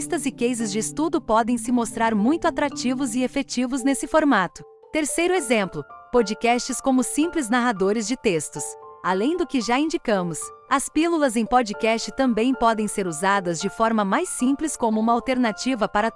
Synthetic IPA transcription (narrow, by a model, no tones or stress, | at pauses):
st̪ɐzɪkejzɪzd͡ʒɪːst̪ud̪ʊpɔd̪ẽj̃sɪmost̪ɾaɾmũj̃t̪ʊat̪ɾat͡ʃivʊzɪefet͡ʃivʊznesɪfoɾmat̪ʊ | t̪eɾsejɾʊezẽmplʊpod͡ʒikɛst͡ʃɪskõmʊsĩplɪznaɦad̪oɾɪzd͡ʒɪt̪est̪ʊsalẽj̃d̪ʊkɪʒaĩnd͡ʒikɐ̃mʊs | ɐspilulɐzẽj̃pɔd͡ʒikɛst͡ʃɪt̪ɐ̃mbẽj̃pɔd̪ẽj̃seɾuzad̪ɐzd͡ʒɪfɔɾmɐmajsĩmplɪskõmʊũmɐawt̪eɾnat͡ʃivɐpaɾɐ